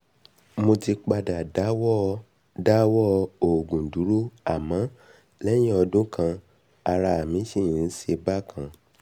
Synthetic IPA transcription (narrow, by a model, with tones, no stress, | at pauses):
mo˧ti˧k͡pa˧da˨da˨˦wɔ˦˧ | da˦wɔ˦˧o˨ɡũ˨du˨˦ɾu˦a˨mã˨˦ | lɛ˦j̃ĩ˦ɔ˧dũ˦kʰã˧ | a˧ɾa˧a˨mĩ˨˦ʃĩ˦˨˦ʃe˧ba˦˨kʰã˧